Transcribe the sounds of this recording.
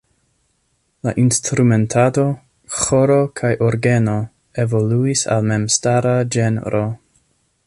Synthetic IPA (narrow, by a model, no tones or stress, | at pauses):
la̰ʔinstɾume̞ntʰado̞ | xo̞ɾo̞kʰajʔoɾɡe̞no̞ | e̞vo̞luisa̰lme̞mstaɾad͡ʒenɾʔo